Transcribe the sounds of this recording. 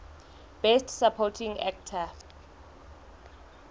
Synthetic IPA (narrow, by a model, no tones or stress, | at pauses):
b̥ɛstsapʰɔtʰĩŋa̰k̚tʰa